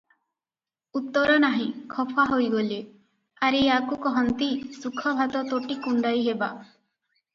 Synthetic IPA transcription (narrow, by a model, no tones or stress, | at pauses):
ut̪ːɔɾɔnaɦĩkʰɔpʰaɦojɡole | aɾiakukɔɦɔnt̪isukʰɔbʱat̪ɔt̪oʈikuɳɖajɦeba